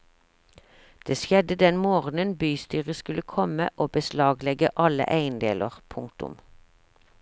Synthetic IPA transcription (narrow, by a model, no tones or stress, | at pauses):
d̪̥eːsjɛd̪əd̪ɛnmoːʁnənbyːst̪yːʁəskʉləkʰɔmə̰ʔoːbəslɑːɡlɛɡəʔɑlə̰ʔæɪnd̪ḛːlʔə̰ʁpʰʊŋk̚t̪ʊ̰m